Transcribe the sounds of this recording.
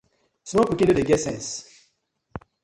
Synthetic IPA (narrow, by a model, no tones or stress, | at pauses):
smɔ̃kukĩdudeɡɛsɛ̃ns